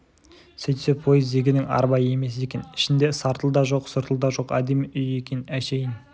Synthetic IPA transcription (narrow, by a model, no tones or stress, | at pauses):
sejt̪sepʰo̞jəzd̪eɡʲɪnɪŋɑ̰ɾbɑjəe̞me̞s̬e̞kʲe̞nɪ̥ʃɪnd̪e̞sɑɾt̪əlˠd̪ɑʒo̞qsʊɾt̪əlˠd̪ɑʒo̞qæ̰d̪emiʔʏje̞kʲe̞næʃe̞jɪn